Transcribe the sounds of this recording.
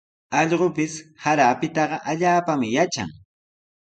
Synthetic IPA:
ɑʎɢopɪshaɾaːpɪt̪ɑɢɑʔaʎaːpamɪjat͡ʃa̰ŋ

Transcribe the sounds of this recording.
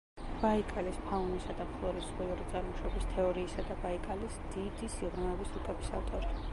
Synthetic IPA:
b̥aikʼalispʰaunisad̪amχlˠɔɾisχiɔɾit̪sʼaɾmɔʃɔbist̪ʰɛɔɾiːsad̪abaikʼalisd̪id̪isiʁɾmɛvisɾukʼɛbisa̰ft̪ʼɔɾi

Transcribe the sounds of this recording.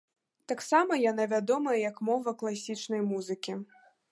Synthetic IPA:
t̪aksamɐjanavʲad̪ɔmɐjɐjɐkmɔvɐklˠasʲit͡ʂnɐjmuzɨkʲi

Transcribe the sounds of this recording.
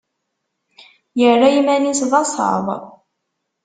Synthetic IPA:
jəlæjmænisðɑsˤɑ̰ðˤ

